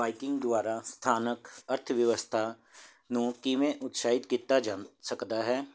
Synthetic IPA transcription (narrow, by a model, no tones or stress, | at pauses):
aːikɪ̃ŋɡd̪ʊaːɾaːst̪ʰaːnəkəɾt̪ʰʋjəʋəst̪ʰaː | nũːkimẽːʔʊt̪saːɪt̪kiːt̪aːd͡ʒaːsəkd̪aːɦɛː